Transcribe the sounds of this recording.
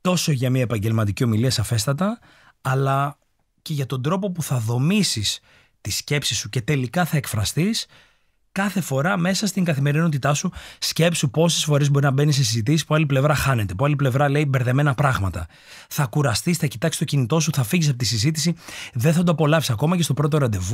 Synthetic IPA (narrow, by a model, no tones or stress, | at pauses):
t̪o̞so̞ʝɐmiɐepɐɲɟe̞lmɐt̪̬icio̞miliɐsɐfe̞st̪ɐt̪ɐː | lɐ | ce̞ʝɐt̪o̞nd̪ɾo̞po̞puθɐðo̞misis | t̪isce̞psisuce̞t̪e̞likɐθɐe̞kfɾɐst̪is | kɐθe̞fo̞ɾɐme̞sɐst̪iŋɡɐθime̞ɾino̞t̪it̪ɐsusce̞psupo̞sisfo̞ɾezbo̞ɾiznɐbe̞nisesizit̪isispoɐliple̞vɾɐxɐne̞t̪e̞poɐliple̞vɾɐle̞ibe̞ɾðeme̞nɐpɾɐɣmɐt̪ɐ | θɐkuɾɐst̪isθɐci̥t̪ɐksi̥st̪o̞cinit̪o̞s̬uθɐfiʝis̬ɐpot̪isizit̪isiðenθɐt̪̬uɐpo̞lɐvisɐko̞mɐcest̪o̞pɾo̞t̪̬o̞ɾɐnd̪evu